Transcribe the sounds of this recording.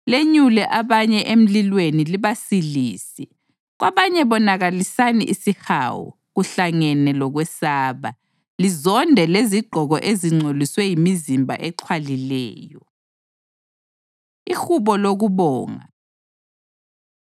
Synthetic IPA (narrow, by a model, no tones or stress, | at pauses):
leɲulɛʔaβaɲɛʔem̩lilweniliβasiliːsi | ɣwaβaɲɛβɔnaɣalisanḭʔisixa̰ːwɔ̰ | ɣuɬaŋɛnɛlɔɣwɛsaːβa | lizɔndʱɛleziɡ͡ǃʱɔɣɔʔeziŋ͡ǀʱoliswɛjimizimbʱa̰ʔɛǃʰwalilɛ̰ːjɔ | ixuβɔloɣuβɔːŋa̰